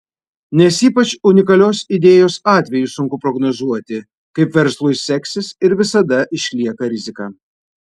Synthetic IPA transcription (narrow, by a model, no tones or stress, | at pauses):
nʲɛsiːpɐt͡ʃʊnʲɪkɐlʲoːsɪd̪ʲeːjoːsɑːt̪ʲʋʲɛjusʊŋkʊpɾɔɡnozuɔt̪ʲɪ | kɐɪpʋʲɛɾslˠʊjsʲɛksʲɪsɪɾʋʲɪsɐd̪ɐʔɪʃʲlʲiɛkɐɾʲɪzʲɪkɑː